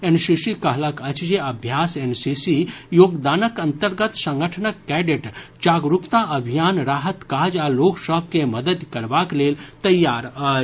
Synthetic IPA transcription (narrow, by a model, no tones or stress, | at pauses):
ensisikəɦləkət͡ʃd͡ʒeɐbʱjaːsensisijoːɡd̪aːnəkɐ̃nt̪əɾɡət̪sə̃ŋɡəʈʰənəkːɛɖeʈd͡ʒaːɡɾukt̪aʔəbʱijaːnɾaːɦət̪kaːd͡ʒaloːksəb̚ʱkeməd̪əd̪kɐɾbakleːlt̪ɐjːaːɾə